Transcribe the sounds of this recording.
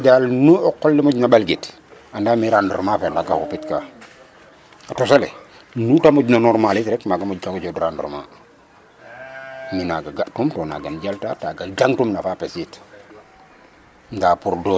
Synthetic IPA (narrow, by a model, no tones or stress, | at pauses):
dalnuɔkɔlːimoɟnabalɡit | andaːmiɾandɾmafendaɡahupitka | atosalḛ | nutamuɟnanɔɾmalitɾɛkmaɡamuɟkaɡd͡ʒodɾandɾma | minaɡaɡaʔtumtɔːna̰ɡanɟaltataɡaɡaŋtumnafapesit | ndaːpuɾdɔ